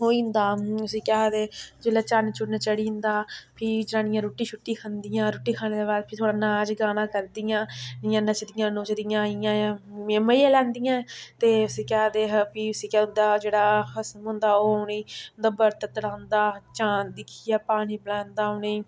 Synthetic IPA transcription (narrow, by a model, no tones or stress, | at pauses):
ɦoːĩːnd̪aːʊsĩːkɛɦd̪eːd͡ʒeːlaːt͡ʃaːnet͡ʃʰʊɽnaːt͡ʃəɽiːnd̪aːpʰɪd͡ʒɾãːnɪjãːɾoːʈːiːt͡ʃʰʊʈːiːkʰand̪ɪjãːɾoːʈːiːkʰaːneːd̪eːbaːd̪̚pʰɪɾt̪ʰoːɽaːnaːd͡ʒɡaːnãːkəɾd̪ɪjãːɪjãːnət͡ʃd̪ɪjãːnoːt͡ʃd̪ɪjãːijãːãːməjãːlɛ̃ːnd̪ɪjãːt̪eːʊsĩːkɛːɦd̪eːpiːʊsiːkɛːnd̪aːd͡ʒeːɽaːxəsmɦʊ̃nd̪aːoːneːnd̪aːbəɾt̪ət̪əɽãːnd̪aːt͡ʃaːd̪ɪkʰijaːpaːñiːbəlãːnd̪aːʊneː